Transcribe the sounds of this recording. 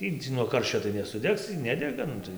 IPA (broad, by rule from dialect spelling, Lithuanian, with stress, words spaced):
ˈtʲiː nuɔ ˈkɐrʲʃʲt͡ʃʲoː tɐɪ nʲɛsʊˈdʲɛks iː ˈnʲæːdʲɛɡɐ ˈnʊ tɐɪ